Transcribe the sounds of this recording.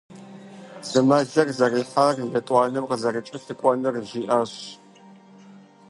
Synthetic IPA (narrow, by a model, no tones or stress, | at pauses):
z̥ɨmɐɮɐrzɐriːħarjɐtʼʷɑːnɨmqəzɐrɨt͡ʃʼɐsɨkʷʼɔnɨrʒiːʔaɕ